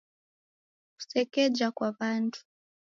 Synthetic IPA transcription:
ku̥sɛkɛd͡ʒakwaβantʰu̥

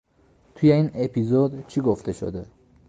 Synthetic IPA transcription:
t̪ʰujeiːnepʰizod̪t͡ʃʰiɡoft̪ʰeʃo̰d̪e

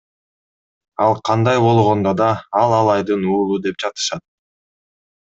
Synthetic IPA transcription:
ɑlˠqʰɑnd̪ɑjbo̞lˠʁo̞nd̪od̪ɑɑlˠɑlˠɑjd̪ɯnuːlˠud̪e̞p̚d͡ʒɑt̪ɯ̥ʃɑt̪̚

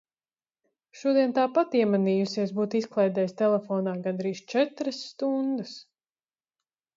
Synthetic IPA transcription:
ʃuɔd̪iɛnt̪aːpat̪iɛmaniːjusiɛsbuːt̪isklˠɛjd̪ɛːjst̪ɛlɛfɔːnaːɡand̪ɾiːʃt͡ʃɛt̪ɾəsːt̪und̪əs

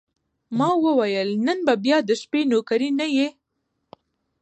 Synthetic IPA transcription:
mɑwəwajəlnənbabjɑd̪əʃpenokaɾinaje

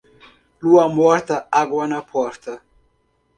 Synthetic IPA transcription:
luamɔɾt̪aaɡwanapʰɔɾt̪ɐ

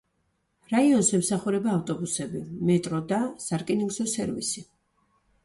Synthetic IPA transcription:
ɾaiɔnsɛmsaχuɾɛbaːft̪ʼɔbusɛbimɛt̪ʼɾɔd̪asaɾkʼiniŋɡzɔsɛɾvḭsi

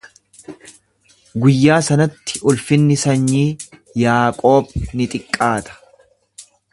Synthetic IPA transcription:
ɡʊjːaːsɐnɐt̪ːɪ̥ʔʊlfɪnːɪsɐɲːiːjaːkʼo̞ːbnɪt̪ʼɪkʼːaːt̪ɐ̥

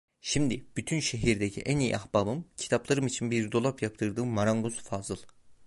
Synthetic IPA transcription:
ʃimd̪ib̥yt̪ʰynʃeɦiɾd̪ecʰḭʔænijḭʔaxbabɯmcʰi̥t̪ʰaplˠaɾɯmit͡ʃʰinbiɾd̪o̞lˠapjap̚t̪ʰɯɾd̪ɯːmaɾaŋɡuzfazɯlˠ

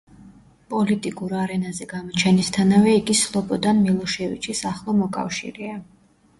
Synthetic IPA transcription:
pʼɔlit̪ʼikʼuɾaɾɛnazɛɡamɔt͡ʃʰɛnist̪ʰanavɛiɡislˠɔpʼɔd̪anmilˠɔʃɛvḭt͡ʃʰisaχlˠɔmɔkʼa̰fʃḭɾɛa

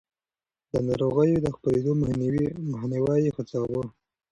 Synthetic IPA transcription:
d̪ənɑɾoɣəjod̪əxpəɾed̪ommaxniwajixət͡sɑwə

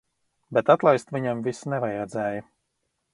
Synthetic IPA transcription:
bɛt̪at̪lˠajst̪viɲamvisnɛvajɾɛd̪zɛːjɐ

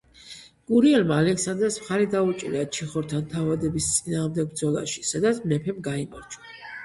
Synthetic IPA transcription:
ɡ̥uɾiɛlmaːlɛksand̪ɾɛsmχaɾid̪aut͡ʃʼiɾɛat͡ʃʰiχɔɾt̪ʰant̪ʰavad̪ɛbist̪sʼinaːʁmd̪ɛɡ̚bɾd̪zɔlˠa̰ʃi̥sad̪at̪sʰmnɛpʰɛmɡaimaɾt͡ʃʰa

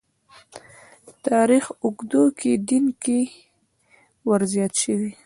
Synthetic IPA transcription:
t̪ɑɾixʊɡd̪oked̪inke | wəɾzjɑt̪ʃəwi

